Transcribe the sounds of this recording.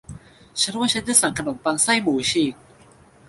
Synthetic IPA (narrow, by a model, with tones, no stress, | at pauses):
t͡ɕʰa˦˥n˦aː˥˩a˦˥ndaː˥˩sa˨˩ŋkʰno˨˩˦mpaː˧ŋsa˥˩jmuː˨˩˦t͡ɕʰiː˨˩k̚